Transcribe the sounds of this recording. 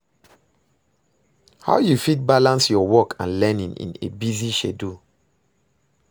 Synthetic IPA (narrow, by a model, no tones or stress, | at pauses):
ha̰ʊjufit̚balãnsjɔwɔkʰã̰nlɛnĩŋḭ̃nḛbiziʃedu